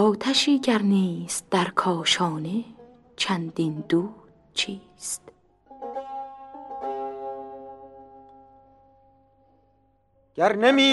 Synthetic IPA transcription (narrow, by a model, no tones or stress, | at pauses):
ɒːt̪ʰæʃiːɟæɾniːst̪̚d̪æɾkʰɒːʃɒːne | t͡ʃʰænd̪ind̪uːd | t͡ʃʰiː | st̪ | ɡ̥æɾnemiː